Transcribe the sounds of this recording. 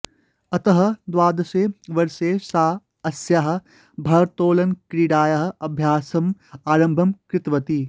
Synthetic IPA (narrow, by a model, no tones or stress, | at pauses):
ɐt̪ɐɦɐ̆d̪ʋaːd̪ɐseːʋɐɾseːsaː | ɐsjaɦɐ̆ | bʱɐɾt̪oːlɐnkɾiɽaːjɐɦ̆ɐbʱjaːsɐmaːɾɐ̃mbʱɐmkɾɪt̪ʋɐt̪iː